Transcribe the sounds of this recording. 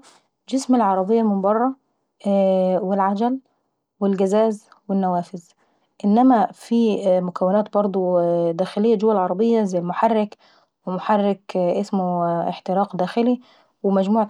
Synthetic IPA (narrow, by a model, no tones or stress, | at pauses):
d͡ʒɪsmelʕɑɾˤɑbejːɑmɪmbɑrˤːɑ | wɪlʕad͡ʒæl | wɪlɡæzæːz | wɪnːæwæːfɪz | ʔɪnːæmæfiːmʊkæwːɪnæːt̪̚bɑɾˤd̪ˤud̪æːxɪlejːæd͡ʒʊwːælʕɑɾˤɑbejːæzæjːlmoħarːɪk | wɪmoħɑrːɪkʔesmeħt̪ɪɾɑːqd̪æːxɪli | wɪmæd͡ʒmuːʕ